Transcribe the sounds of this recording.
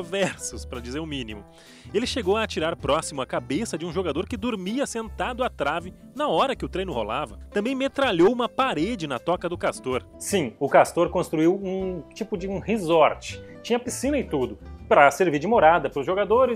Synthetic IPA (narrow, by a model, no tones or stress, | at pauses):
vɛɾsʊspɾɐd͡ʒizeɾʊmĩnimʊ | elɪʃeɡowɐːt͡ʃiɾaɾpɾɔsimʊɐkabesɐd͡ʒɪũʒoɡad̪oɾkɪd̪oɾmiɐsẽnt̪ad̪ʊat̪ɾavɪ | nɐɔɾɐkɪʊt̪ɾejnʊho̰lavɐt̪ɐ̃bẽj̃met̪ɾaʎowũmɐpaɾed͡ʒɪnɐt̪ɔkɐd̪ʊkast̪oɾ | sĩʊkast̪oɾkõst̪ɾuiwũt͡ʃipʊd͡ʒɪũhizɔɾt͡ʃɪ̥t͡ʃĩɲɐpisĩnɐɪt̪ud̪ʊpɾɐseɾviɾd͡ʒɪmoɾad̪ɐpɾʊzʒoɡad̪oɾɪ